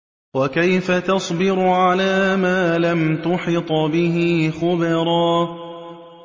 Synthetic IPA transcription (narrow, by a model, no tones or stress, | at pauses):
wakajfat̪ɑsˤbɪɾʊʕalaːmaːlamt̪ʊħɪt̪ˤbɪɦɪxʊbɑɾˤɑː